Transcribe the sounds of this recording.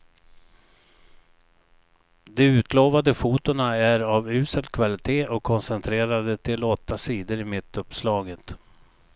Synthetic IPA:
d̪ɛʉ̟ːt̪ʰloːvad̪əfuːt̪ʊɳaæɾavʉ̟ːsəd̪kʰvalɪt̪ʰeːʔɔkʰːɔnsɛnt̪ʰɾeːɾad̪ət̪ʰɪlɔt̪ʰːasiːd̪əɾɪmɪt̪ːɵpːslɑːɡət̪

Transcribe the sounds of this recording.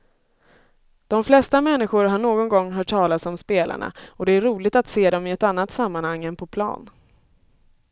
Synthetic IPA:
d̪̥ɔmflɛst̪amɛnːɪɧʊɾɦaɳoːɡɔnɡɔŋːɦœːʈʰːɑːlasɔmspeːlʔa̰ɳa̰ɔd̪ɛæɾuːlɪɡt̪at̪seːd̪ɔmɪɛt̪an̪ːat̪samːanhaŋːɛnpʰɔpʰlɑ̰ːn

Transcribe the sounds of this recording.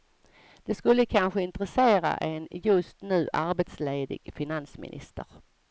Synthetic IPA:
d̪̥ɛskɵlːəkʰanɧəɪnt̪ɾɛseːɾa̰ʔɛnjɵst̪nʉ̟ːʔaɾbet̪sleːd̪ɪ̰ɡ̥fɪnansmɪ̰nʔɪ̰st̪əɾ

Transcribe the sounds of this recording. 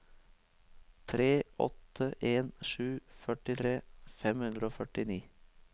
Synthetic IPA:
t̪ʰɾeːʔɔ̰t̪əʔeːnʃʉːfœʈɪt̪ʰɾeːfɛmhʉnd̪ɾəoːfœʈɪniː

